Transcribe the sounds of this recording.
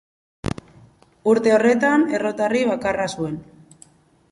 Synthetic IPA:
uɾt̪e̞o̞re̞t̪ane̞ro̞t̪ariβakarasue̞n

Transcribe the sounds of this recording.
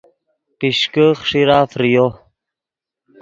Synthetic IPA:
piʃkəχʂiɾaːfɾijo | k

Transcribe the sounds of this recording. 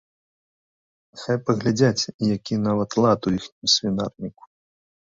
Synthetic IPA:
xajpɐɣlʲad͡zʲat͡sʲjakʲinavɐt̪lˠat̪ujixnʲusʲvʲina̰rnʲiku̥

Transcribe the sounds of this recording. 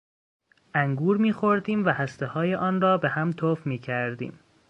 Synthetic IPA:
ʔæŋɡuːɾmiːxoɾd̪iːmvæhæst̪ehɒːjeʔɒːnrɒːbehæmt̪ʰoːfmiːcʰæɾd̪ḭːm

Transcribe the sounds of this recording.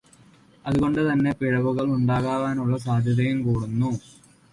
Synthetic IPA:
ɐðuɣo̞ɳɖɨt̪ɐnːe̞piɻɐʋuɣɐɭuɳɖaːɣaːʋaːnuɭːɐs̬aːd̪ʱjɐðɐjumkuːɽunːu

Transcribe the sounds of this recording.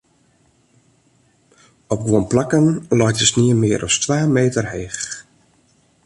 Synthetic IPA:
ɔp̚ɡuənplakənlɔjtəsniənmɪəɾʔɔ̰stʋaːmeːtərheːx

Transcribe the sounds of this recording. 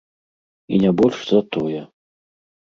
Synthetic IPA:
ḭnʲabɔlʲʂzat̪ɔjɛ

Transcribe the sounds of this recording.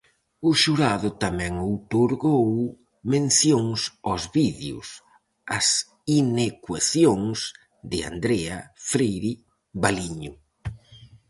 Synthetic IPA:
ʊʃuɾaðʊt̪amɛ̃ŋowt̪oɾɣow | mẽnθjoŋsɔzβiðjʊ̰s | ɐs | inekwaθjoŋs | d̪ɪa̰nd̪ɾɛafɾejɾi | βaliɲʊ

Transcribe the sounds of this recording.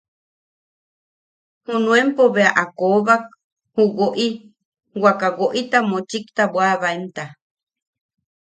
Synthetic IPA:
hunũempoβeaʔakoβak̚ | huɡoʔi | wakaɡoʔit̪amot͡ʃikt̪abwaβaent̪a

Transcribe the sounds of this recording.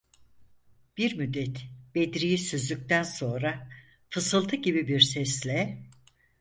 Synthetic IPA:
b̥iɾmyd̪ːɛt̪b̥ed̪ɾijisøzlʲyc̚t̪ʰænso̞nɾa | fɯsɯlˠt̪ʰɯɟibibiɾsɛslʲɛ

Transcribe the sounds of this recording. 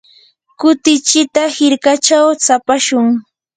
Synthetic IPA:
kʊt̪ɪt͡ʃɪt̪ahɪɾkat͡ʃawt͡sapaʃʊŋ

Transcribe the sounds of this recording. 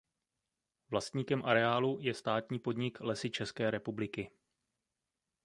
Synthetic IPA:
vlast̪ɲiːkɛmʔaɾɛaːlujɛst̪aːt̪ɲiːpo̞dɲɪklɛsɪt͡ʃɛskɛːɾɛpublɪkɪ

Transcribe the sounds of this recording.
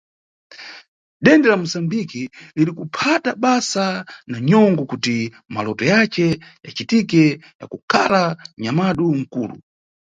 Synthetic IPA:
ɗɛndɛlamusambikiliɾikupʰataɓasanaɲɔŋɡɔkuti | malɔtɔjat͡ʃɛja̰t͡ʃitikɛja̰kukʰalaɲamaɗuŋ̩kuːlṵ

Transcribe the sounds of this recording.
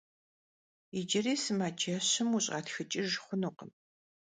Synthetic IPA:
id͡ʒɪriːsɨmaːd͡ʒɐɕɪmuɕʼa̰ːtxɨt͡ʃʼɪʒχʷʊnuqə̰m

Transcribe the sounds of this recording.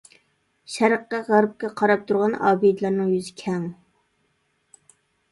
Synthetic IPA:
ʃæɾqːɑʁæɾp̚kʲɛqʰɑɾɑp̚t̪ʰuɾʁɑnɑ̰ːbid̪lˠɑɾnɨŋjyzɪkʲʰɛŋ

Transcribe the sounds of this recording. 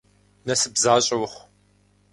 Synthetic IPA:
nɐsɨbzaːɕʼɐwʊχʷ

